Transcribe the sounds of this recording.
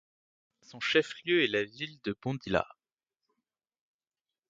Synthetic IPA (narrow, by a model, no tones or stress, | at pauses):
sɔ̃ʃɛfljøɛlavild̪əbɔ̃d̪ila̰